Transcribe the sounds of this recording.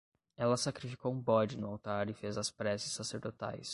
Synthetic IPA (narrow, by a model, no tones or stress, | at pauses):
ɛlɐsakɾifi̥kowũbɔd͡ʒɪnʊawt̪aɾɪfezɐspɾɛsɪ̥saseɾd̪ot̪a̰js